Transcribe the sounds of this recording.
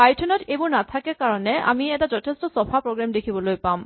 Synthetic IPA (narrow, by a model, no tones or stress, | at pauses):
pajtʰɔnɔtebunat̪ʰakekaɹɔneʔa̰miɛtad͡ʑɔtʰestɔsɔfʰapɹoɡɹamd̪ekʰibɔlojpam